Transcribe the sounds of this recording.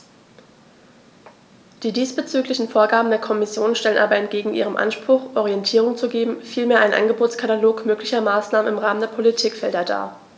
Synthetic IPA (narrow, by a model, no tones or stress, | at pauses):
d̥iːdiːsb̥ət͡syːklɪçn̩foːɐɡaːbm̩deːɐkʰɔmɪsjoːnʃtɛlənʔa̰ːbɐɛnt̚ɡ̥eːɡŋ̩ʔḭːʁ̞əmʔa̰nʃpʁ̥ʊχʔɔʁiɛntʰiːʁ̞ʊŋt͡suɡeːbm̩fiːlmeːɐʔaɪnʔa̰nɡəboːt͡sskʰataloːkmøːklɪçɐmaːsnaːmənɪmʁaːməndeːɐpʰolitʰiːkfɛldɐda̰ːɐ